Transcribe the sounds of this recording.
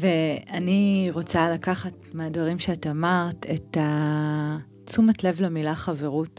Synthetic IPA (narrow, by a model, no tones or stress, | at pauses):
veaniʁot͡salakaχat̚meadvaʁimʃeatamaʁteta | t͡sumatle̞vlamilaχave̞ʁut